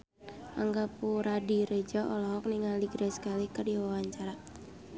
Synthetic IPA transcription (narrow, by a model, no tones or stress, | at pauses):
ʔaŋɡapuɾadiɾed͡ʒɔʔɔlɔɦɔk̚niŋaliɡɾɛsə̥kalikərjɔwawaɲt͡ʃaɾa